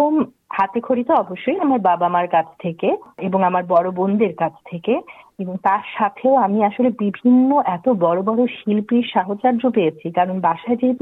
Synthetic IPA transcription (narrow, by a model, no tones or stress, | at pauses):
om | hat̪ekʰoɾit̪oɔboʃːojamaɾbabamaɾkat͡ɕʰt̪ʰekeeboŋamaɾbɔɽobond̪ʱeɾkat͡ɕʰt̪ʰekeeboŋt̪aɾʃat̪ʰeoamiaʃolebibʱinːoʔɛt̪obɔɾobɔɾoʃilpiɾʃaɦot͡ɕaɾd͡ʑopeet͡ɕʰikaɾonbaʃaed͡ʑeɦet̪u